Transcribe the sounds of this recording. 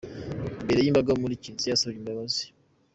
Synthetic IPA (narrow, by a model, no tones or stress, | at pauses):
mbeɾejiːmbaɡamulicinzijasajimbaβazi̥